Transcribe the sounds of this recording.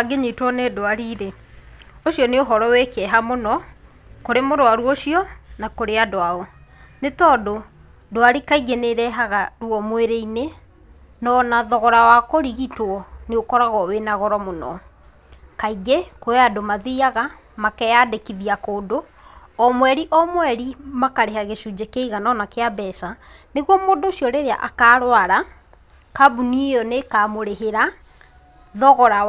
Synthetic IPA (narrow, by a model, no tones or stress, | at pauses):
aɡeɲitwɔnedoaɾiɾe | oɕiɔneoɦɔɾɔwekɛɦamonɔ | koɾemoɾoaɾwoʃiɔnakoɾeadoaɔ | netɔːdo | doaɾikaiɡeneɾɛɦaɣaɾuɔmweɾeine | nɔnaðɔɣɔɾawakoɾiɣitwɔneokɔɾaɣɔwenaɣɔɾɔmonɔ̰ | kaiɡekoɛadomaðiaɣa | makɛjadekiðiakoːdo | ɔmwɛɾiʔɔmwɛɾimakaɾeɦaɣeʃud͡ʑekeiɣanɔnakeabɛsaneɣwɔmoːdoɕjɔɾeɾea̰ʔakaːɾwaɾa | kabunijɔnekaːmoɾeɦeɾa | ðɔɣɔɾa